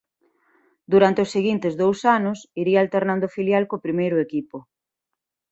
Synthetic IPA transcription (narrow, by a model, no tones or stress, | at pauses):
d̪uɾant̪eʊseɣint̪ɪzðowsanʊsiɾiaːlt̪eɾnand̪ʊfiljalkopɾimejɾʊekipo